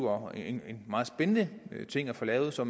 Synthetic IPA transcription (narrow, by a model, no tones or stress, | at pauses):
ɒeenmɑ̈ːð̩ˠsb̥enənət͡sʰe̝ŋ̰æɐfɒ̽lɛːʊð̩ˠsɒ̽m